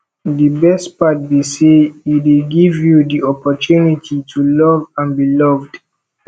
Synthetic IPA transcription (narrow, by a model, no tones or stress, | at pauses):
dibɛstpat̚beseideɡivjudiɔpɔtunitʰitʰulɔvãnbilɔvd